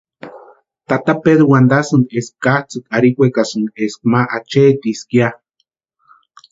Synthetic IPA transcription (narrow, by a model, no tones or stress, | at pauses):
t̪at̪apeðuwand̪asund̪eskːaht͡sukaɾikʷekasunesk̚maʔat͡ʃet̪iskia